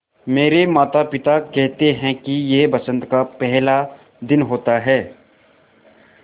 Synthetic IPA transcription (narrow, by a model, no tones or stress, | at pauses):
meːɾemaːt̪apɪt̪akɛɦt̪eɦɛ̃kijebɐsə̃nt̪kapɛɦla | d̪ɪnɦoːt̪aɦɛː